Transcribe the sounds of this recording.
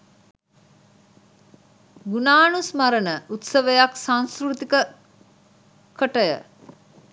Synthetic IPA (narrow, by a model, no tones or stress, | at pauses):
ɡunaːnusmaɾənəʔut̪səʋəjaksãnskrut̪ikə | kəʈəjə̰